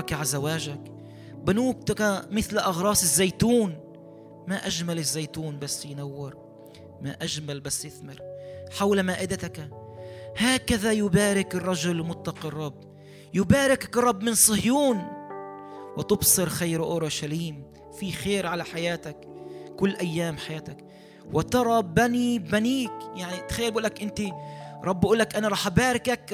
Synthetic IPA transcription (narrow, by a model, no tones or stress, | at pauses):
kʕazawaːʒak | bɪnuːk̚t̪akmɪθlʔɑɣɾˤɑːsɪzːajt̪uːn | maʔaʒmalɪzːejt̪uːnbasːjnawːɪɾ | maʔaʒmalbasːjɪθmɪɾħawlmaːʔɪd̪at̪ak | haːkaðajʊbaːɾɪkɪrˤːɑʒʊlmʊt̪ːɑqɑrˤːɑbː | jʊbaːɾɪkakrˤːɑbːmɪnsˤɨhjuːn | wɪt̪ʊbsˤɨɾxajɾʔʊɾˤɑʃaliːm | fixeːɾʕalaħajaːt̪akkʊlːʔajːaːmħajaːt̪ak | wɪt̪ɑɾˤɑbanibaniːkjaʕnit̪ḁxajːalbʔuːlakʔɪnt̪iɾˤɑbːʔuːlːakʔanaɾˤɑːħʔbaːɾɪkak